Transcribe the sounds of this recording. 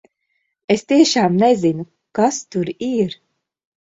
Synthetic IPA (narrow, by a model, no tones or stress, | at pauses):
est̪iɛʃaːmnezinu | kast̪uɾiɾ